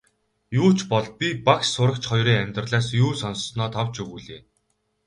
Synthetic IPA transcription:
juːt͡ɕʰpɔɮ̚pʲipakssʊɾə̆kt͡ɕχɔjɾiːŋæmʲt̪rə̆ɮaːsjuːsɔnssnɔːt̪ʰɔwt͡ɕuɣuːɮeː

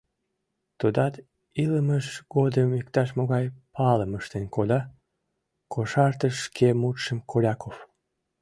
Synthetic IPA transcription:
t̪ud̪ɑt̪ | iləməʃɡod̪əmikt̪ɑʃmoɣɑjpɑləməʃt̪enkolʲɑ | kʰoʃɑrt̪əʃːkʰemut̪ʃəmkʰolʲɑkof

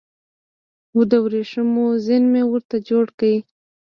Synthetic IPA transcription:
ud̪awɾeʂəmozɪnmewəɾt̪ad͡ʒoɽkawi

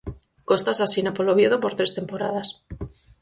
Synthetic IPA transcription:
ko̞st̪asasinapoloβjeðopo̞ɾt̪ɾe̞st̪e̞mpo̞ɾa̰ð̞as

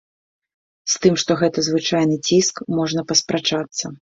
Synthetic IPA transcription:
st̪ɨmʂt̪ɔɣɛt̪ɐzvɨt͡ʂajnɨt͡sʲiskmɔʐnɐpɐspɾat͡ʂat̪sːɐ

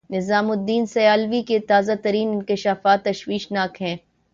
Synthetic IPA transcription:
nɪzaːmʊd̪ːiːnsɐjaːlʋiket̪aːzat̪ɐɾiːnɪ̃nkɪʃaːfaːt̪ːɐʃwiːʃnaːkɦɛ̃ː

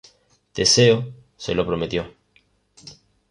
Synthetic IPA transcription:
d̪̥eseo | sḛlopɾome̞t̪jo

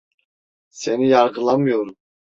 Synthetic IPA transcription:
se̞nijaɾɡɯlˠamɯjoɾun

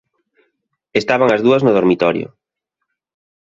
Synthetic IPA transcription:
est̪aβaŋɐzðuɐznʊð̞oɾmit̪ɔɾjo̰

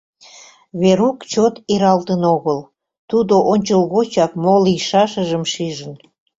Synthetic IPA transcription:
βeɾukt͡ɕot̪iɾɑlt̪ənoɣəl | t̪ud̪oʔonʲt͡ɕəlɣot͡ɕɑkmolijʃɑʃəʒəmʃiʒən

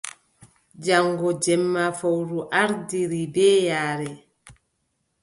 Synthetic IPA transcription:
d͡ʒaŋɡɔd͡ʒɛmːafawɾuʔaɾdiɾibɛːjaːɾɛ

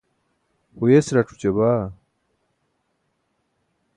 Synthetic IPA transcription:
hujesɾɐʈ͡ʂʰu̥t͡ɕeba

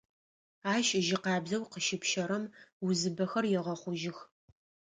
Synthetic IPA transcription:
aːʃʒɪqɑːbzɐwqəʃɪpʃɐɾɐmwʊzɨbɐxɐrjɛʁɐχʷʊʒɪx

